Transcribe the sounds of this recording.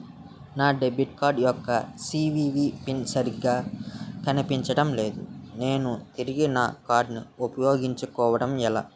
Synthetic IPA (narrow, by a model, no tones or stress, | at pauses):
naːɖebuʈkaːɾɖjɔkːɐsiːʋiːʋiːpinsɐɾiɡaːkɐnipiɲt͡ʃɐɽɐmle̞ːd̪ṵne̞ːnut̪iɾiɡina̰ːkaːɾɖniupɐjo̞ːɡiɲt͡ʃukɔːʋɐɽɐmɛla̰ː